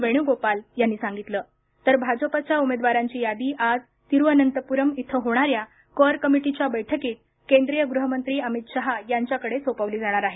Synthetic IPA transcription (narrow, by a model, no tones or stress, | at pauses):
ʋeɽ̃juɡopaljanːiːsãŋɡit̪ləː | t̪əɾbʱad͡zəpat͡ɕjaumed̪ʋaɾaɲt͡ɕiːjad̪iːʔad͡z | t̪iɾʋənənt̪əpuɾəmit̪ʰəɦoɽ̃aɾja | kəɾkəmiʈit͡ɕjabəjʈʰəkiːt̪̚ | kẽnd̪ɾijəɡɾuɦəmənt̪ɾiːəmit̪ɕəɦajaɲt͡ɕjakəɽesopəʋliːd͡zaɽ̃aɾaɦe